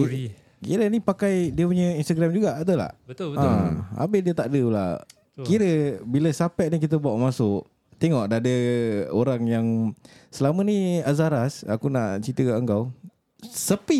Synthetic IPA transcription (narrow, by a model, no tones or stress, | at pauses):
kiɾənipakajdiəpuɲə̃inst̪aɡɾamd͡ʒuɡaʔat̪əla̰hãa̰bɪdiət̪aʔdəla̰ | kiɾəbiləsapɛt̪̚nik̬it̪̬əbuaʔmasʊʔ | t̪eŋɔʔ̚daadəoɾaŋjaŋsəlaməniazaɾasa̰kunaʔt͡ʃit̪əkʔəŋɡaw | səpi